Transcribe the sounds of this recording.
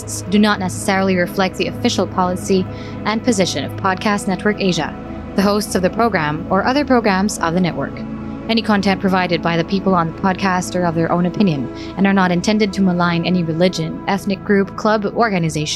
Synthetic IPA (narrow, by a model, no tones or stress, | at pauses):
tsd̥ɨnətⁿnɛsə̥sɛɹl̩ˠiɹɨflɛk̚t̪̚ðiɨfɪʃl̩ˠpʰɑlˠəsi | ʔɨ̃npʰɨzɪʃɨ̃nʌ̰v̥pʰɑd̚kʰæstnɛt̚wə˞keɪʒɨ̰ | ðɨɦoʊstsʌvðɨpʰɹ̥oʊɡɹæ̃mə˞ʔʌðə˞pʰɹ̥oʊɡɹæ̃mz̥ʌ̰vðɨnɛʔwə̰˞k | ɛñikʰɑ̃ntʰɛ̃npʰɹ̥ɨvaɪɾɨd̚baɪðɨpʰipl̩ˠə̃nðəpʰɑd̚kʰæstə˞ʌvðə˞ʔõʊ̃nɨpʰɪ̃njɨ̃n | ɨ̃nə˞nəɾɨ̃ntʰɛ̃ndɨd̚tʰɨməlãɪ̃nɛniɹɨlɪd͡ʒɨ̃nɛθnɨk̚ɡ̥ɹʉpkʰl̥ʌbɔɹɡɨnɨzeɪʃ